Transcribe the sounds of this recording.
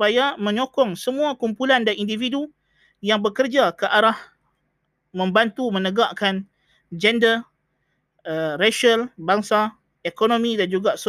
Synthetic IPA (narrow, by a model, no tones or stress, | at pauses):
pajamə̃ɲokɔŋsəmũakumpulandanindividu | jaŋbəkərd͡ʒakəʔaɾah | mə̃mbant̪umə̃nəɡaʔkan | d͡ʒɛndə | əraʃalbaŋsa | ekonõmĩdand͡ʒuɡas